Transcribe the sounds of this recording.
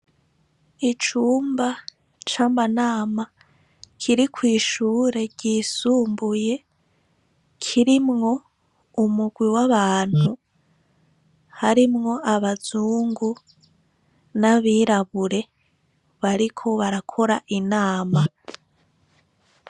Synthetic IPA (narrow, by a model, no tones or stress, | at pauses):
it͡ʃuːmba | t͡ʃamanaːma | kʰiɾikwiːʃuːɾe̞ɟiːsuːmbuje̞ | kʰiɾimŋo̞ | umuɡwiwaβaːn̥hu | haɾimŋo̞aβazuːŋɡu | naβiːɾaβuɾe̞ | βaɾikʰo̞βaɾakʰo̞ɾaʔinaːma